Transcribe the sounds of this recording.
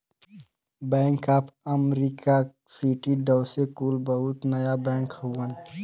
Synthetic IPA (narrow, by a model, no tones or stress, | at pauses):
bɛ̃ːŋkaːpʰəmɾika | siʈiɖəːsekuːlbəɦʊt̪nəjabɛ̃ːŋkhuwən